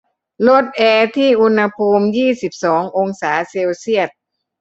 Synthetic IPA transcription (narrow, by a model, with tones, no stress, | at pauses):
lo˦˥˩t̪̚ʔɛː˧t̪ʰiː˥˩ʔu˧nha˧pʰuː˧mjiː˥˩si˨˩p̚sɔː˩˦ŋʔo˧ŋsaː˩˦seː˧wsi˥˩ət̪̚